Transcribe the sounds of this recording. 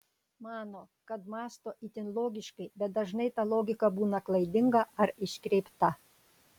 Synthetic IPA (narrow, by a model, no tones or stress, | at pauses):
mɑːnoː | kɐt̪mɑːst̪oːʔit̪ʲɪnlˠoːɡʲɪʃkɐɪbʲɛt̪̚d̪ɐʒnɐɪt̪ɑlˠoːɡʲɪkɐbuːnɐklˠɐɪd̪ʲɪŋɡɐʔɐɾɪʃʲkɾʲɛɪpt̪ɐ